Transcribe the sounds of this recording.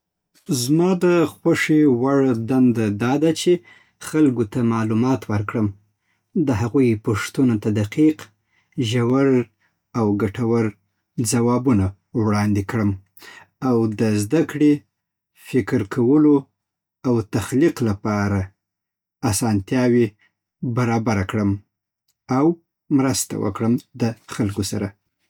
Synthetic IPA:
zmɑd̪əxwaʂewaɽd̪and̪ad̪ɑd̪at͡ʃe | xalɡot̪amɑlumɑt̪wəɾkɽəm | d̪əɦaɣujpoʂt̪unot̪ad̪aqiq | ʒawaɾ | awɡaʈawəɾ | d͡zawɑbuna | wɽɑnd̪ekɽəm | awd̪əzd̪akɽe | fɪkɾkʰawəlo | awt̪axliqlapɑɾa | asɑnt̪jɑwe | baɾɑbaɾakɽəm | aw | mɾəst̪a̰wə̰kɽəmd̪əxalkosa̰ɾa

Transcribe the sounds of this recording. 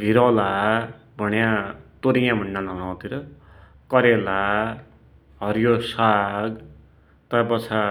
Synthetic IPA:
ɡʱiɾʌla | bʱʌnjãt̪oɾijãmʱunːalʌŋãwt̪iɾʌ | kʌɾela | ɦʌɾjosaɡ | t̪ʌbʌt͡sʰa

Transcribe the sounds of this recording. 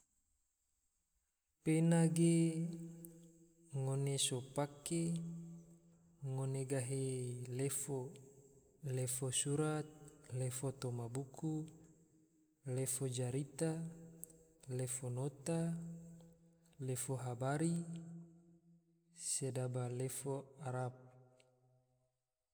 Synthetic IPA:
penaɡe | ŋonesopake | ŋoneɡaɦelefo | lefosuɾat̪̚lefot̪omabuku | lefod͡ʒaɾit̪a | lefonot̪a | lefoɦabaɾi | sedabalefoaɾap̚

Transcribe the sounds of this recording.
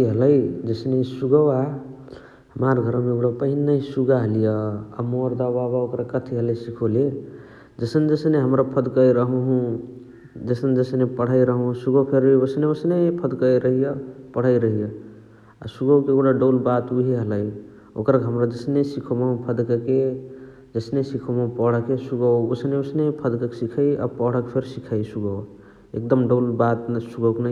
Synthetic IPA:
iɦələjd͡ʒəsnesuɡəwa | ɦəmaɾɡʱəɾmeɡɽapəɦinːəisuɡaɦəlijəa̰moɾd̪ababaokɾakət̪ʰiɦəlesikʰole | d͡ʒəsənd͡ʒəsneɦəmɾapʰəd̪kəiɾəɦũɦũ | d͡ʒəsənd͡ʒəsnepəɽ̤əiɾəɦũsuɡəpʰeɾibəsneəsnepʰəd̪kəjɾəɦijəpəɽ̤aiɾəɦija | a̰suɡəwkeɡuɽaɖoʊlbat̪uɦiɦəlaj | o̰kɾkɦəmɾad͡ʒəsnesikʰomaɦũpʰəd̪kəke | d͡ʒəsnesikʰomapɔɽəkesuɡəwosneosnepʰəd̪kəksikʰaia̰pɔɽəkpʰeɾsikʰaisuɡəw | ḛk̚d̪əmɖəlbat̪nsuɡəwkna

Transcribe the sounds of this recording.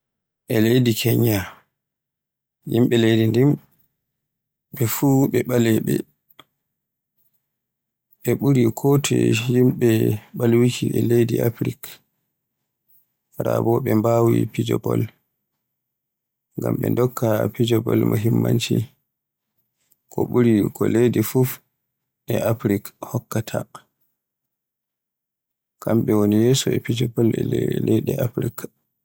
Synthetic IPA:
ʔɛledikʰɛɲa | jimɓɛlejdindim | ɓɛfuɓɛɓalɛɓɛ | ɓɛɓuɾikʰɔːtʰɛ̰jimɓɛɓalwikʰiʔɛlejdiʔafɾik | ɾabɔɓɛmbawḭpid͡ʒɔbɔl | ŋɡamɓɛndɔkʰːapid͡ʒɔbɔlmoɦimːant͡ʃi | ɔɓuɾikʰɔlejdifuf | ʔɛʔapɾikhɔkːatʰa | kamɓɛwonijɛːsɔɛpid͡ʒɔbɔlɛlejdɛʔapɾik

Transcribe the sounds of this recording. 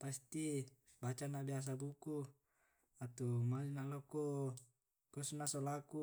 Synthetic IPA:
past̪i | bat͡ʃanabias̬abuku | at̪umalinaloko | kɔsnasolaku

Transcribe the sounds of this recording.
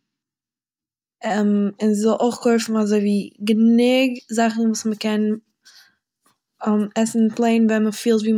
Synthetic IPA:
ɛɪnzɪzɔlˠʔoɪχkʰoɪfn̩azoɪviːɡənɪɡzaχn̩vuːsməkɛn | ɛmɛsn̩plˠeɪnvɛnməfiːlˠtviːm

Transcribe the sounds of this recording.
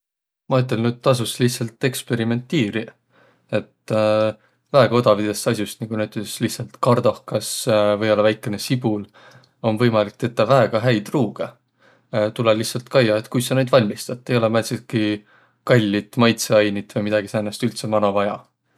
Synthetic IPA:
mɑyt̪̬ːˑe̞lnyd̪̥̚t̪ɑs̬uslihtsɑlt̪e̞kspe̞ɾime̞nt̪ːiːɾi | e̞t̪ | væeɡɑod̪ɑvid̪̥e̞st̪ɑsjust̪niŋɡ̥unæyt̪ːˑeslihtsɑlt̪kɑrd̪̥ɑhkɑsvɤ̞jo̞lːɑvæjkːˑe̞ne̞sib̥ul | o̞nvɤ̞jmɑlik̚t̪e̞t̪ːˑɑvæeɡ̥ɑɦæjd̪ruːɡe | t̪ulelihtsɑlt̪kɑjːɑe̞t̪ˑkujsɑnejd̪vɑlʲmist̪ɑt̪ːe̞jo̞lemælsiki | kɑlʲːit̪ːˑmɑjt̪seɑjnit̪vɤjmid̪̥ɑɡisæːnɑst̪ylt̪se̞mɑnovɑjɑ

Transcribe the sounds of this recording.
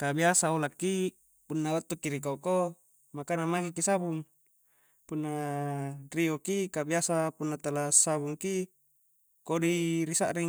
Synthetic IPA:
kabiasaolakːi | punːawat̪ːukːiɾikako | makanamaɡikːisabuŋ | punːa | riokikabiasapunːat̪alasabuŋki | kodiɾisaʔɾiŋ

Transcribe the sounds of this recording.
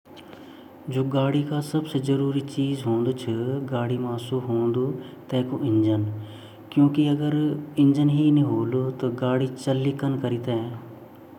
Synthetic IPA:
d͡ʒoːɡaːɽikaːsəbsezəɾuːɾiːt͡ʃiːzɦõːnd̪oːt͡ʃʰəɡaːɽiːmaːsuːɦoːnd̪oː | t̪ɛːkoʔɪ̃ɲd͡ʒən | kjõːkiəɡəɾɪ̃ɲd͡ʒənɦiːnĩɦoːlot̪oɡaːɽiːt͡ʃəlːikənkəɾit̪ɛɛː

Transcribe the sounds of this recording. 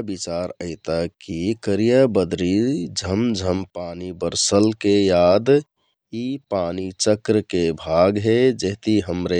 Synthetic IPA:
bit͡ʃaɾəɪt̪akːikəɾijabəd̪ɾid͡ʒʱəmd͡ʒʱəmpanibəɾsəlkejad̪ | ipanit͡ʃəkɾəkebʱaɡɦed͡ʒeɦt̪iɦəmɾe

